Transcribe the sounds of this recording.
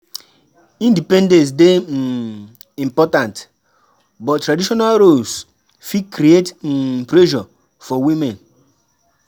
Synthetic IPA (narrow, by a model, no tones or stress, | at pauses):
ĩndipɛ̃ndɛ̃s̬de | ĩmpɔtãnt | bɔttːɾadiʃɔnalɾols | fikɾietpɾɛʒɔ | fɔwĩmɛ̃n